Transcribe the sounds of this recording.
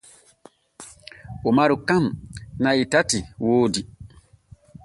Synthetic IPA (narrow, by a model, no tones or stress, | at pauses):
umaɾukamnaitatiwoːdi